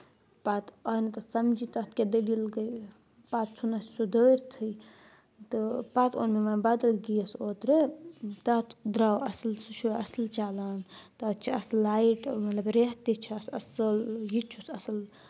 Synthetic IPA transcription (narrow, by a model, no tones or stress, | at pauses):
pat̪ɐnɨt̪ɐsɐmd͡ʒit̪ɐt̪̚ʰked̪əlilɡəj | paːt̪̚t͡sʰunɐssud̪əɾt̪ʰɨj | t̪ɨpat̪ʰo̰ːnmemanbad̪ɐlɡijɐsoːt̪ɾet̪ɐt̪ʰd̪ɾawɐslsut͡ʃʰuɐslt͡ʃaːlaːnt̪ɐt͡ʃʰiɐslːaːiʈmɐt̪lɐbɾeɦt̪it͡ʃʰiɐsɐsɨljit͡ʃʰusɐsɨl